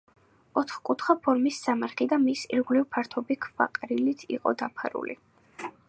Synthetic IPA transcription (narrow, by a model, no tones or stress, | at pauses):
ɔt̪χkʼut̪ʰχapʰɔɾmisːamaɾχid̪amisḭɾʁlivpʰaɾt̪ʰɔbikʰva̰qʼɾilit̪ʰḭqʼɔ̰d̪apʰaɾṵlḭ